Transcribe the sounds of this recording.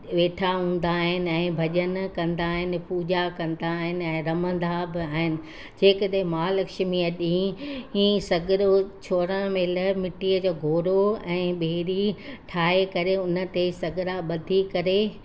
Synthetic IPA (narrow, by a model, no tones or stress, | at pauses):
ʋeːʈʰaɦũːn̆d̪aːɦɪnɪ̆ɛ̃ːbʱɐʄənkɐ̃nd̪aːɦɪnɪ̆puːd͡ʑakɐ̃nd̪aːɦɪnɪ̆ɛ̃ːɾɐmə̃nd̪abɪaːɦɪnɪ̆ | d͡ʑeːkɐɗɦẽmaːlɐkʃmiəɗĩĩːsɐɡɾot͡ɕʰoːɾə̃meːləmɪʈiəd͡ʑoːɡʱoːɾoɛ̃ːɓeːɾiʈʰaːɦekɐɾeʊnə̆t̪esɐɡɾaɓɐd̪ʱikɐɾe